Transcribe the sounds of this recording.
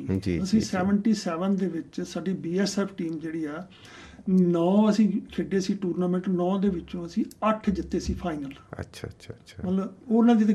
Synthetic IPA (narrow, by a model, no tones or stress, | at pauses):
d͡ʒḭəsĩːsɛːʋəɳʈiːsɛːʋənd̪eːʋɪt͡ʃsaːɖiːbiːɛːsɛːpʰʈiːmd͡ʒeːɽiːɛː | nɔ̃ːəsĩːkʰeːɖeːsiːʈuːɾnaːmə̃ɳʈnɔ̃ːd̪eːʋɪt͡ʃõːəsĩːəʈʰd͡ʒɪt̪ːeːsiːpʰaːɪnələ̰tʃʰamət̪ləboːnãːd̪it̪e